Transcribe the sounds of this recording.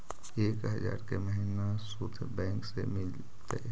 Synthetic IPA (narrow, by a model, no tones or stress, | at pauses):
eːkɦəd͡ʒa̰ːɾkeməɦinasut̪ʰbɛ̃ːŋksemɪl | t̪ḛ